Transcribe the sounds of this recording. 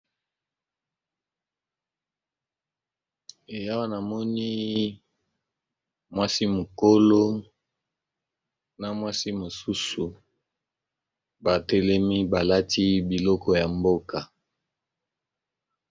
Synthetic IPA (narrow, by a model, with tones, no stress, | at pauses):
e˨ja˦wa˦na˨mɔ˦ni˦ | mwa˦si˦mo˨ko˦lo˦ | na˨mwa˦si˦mo˨su˦su˨ | ba˨tɛ˦lɛ˦mi˦ba˨la˦ti˦bi˨lɔ˦kɔ˨ja˨mbo˦ka˨